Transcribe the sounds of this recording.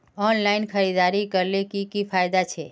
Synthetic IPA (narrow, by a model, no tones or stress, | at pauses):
ɔnlainkʰəɾid̪aɾikəɾlekikifajd̪at͡ʃʰe